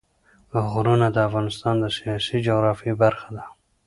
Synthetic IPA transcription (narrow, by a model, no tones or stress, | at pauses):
ɣɾunad̪əafɣɑnɪst̪ɑnd̪əsijɑsid͡ʒʊɣɾɑfibaɾxad̪a